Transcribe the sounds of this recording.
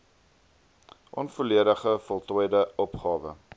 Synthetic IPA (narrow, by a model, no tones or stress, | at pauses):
ʔɔnfuliəɾəχəfɔlˠtɔjdəʔɔpχɑːvə̰